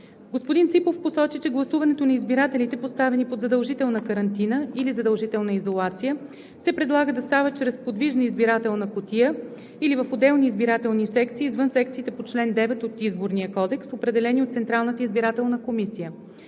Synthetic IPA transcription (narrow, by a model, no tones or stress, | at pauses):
ɡospod̪int̪sipofposɔt͡ʃit͡ʃɛɡlˠɐsuvɐnɛt̪onɐizbiɾat̪ɛlit̪ɛpost̪avɛnipod̪zɐd̪əlˠʒit̪ɛlˠnəkəɾɐnt̪inəilizɐd̪əlˠʒit̪ɛlˠnəizolˠat̪sijə | sɛpɾɛd̪lˠaɡəd̪ɐst̪avət͡ʃɾɛspod̪viʒnəizbiɾat̪ɛlˠnəkot̪ijə | ilivəfod̪ɛlˠniːzbiɾat̪ɛlˠnisɛkt̪siːzvɤnsɛk̚t̪siːt̪ɛpot͡ʃlɛnd̪ɛvɛt̪ot̪izboɾnijəkɔd̪ɛksopɾɛd̪ɛlɛniot̪t̪sɛnt̪ɾalˠnət̪əizbiɾat̪ɛlˠnəkomisijə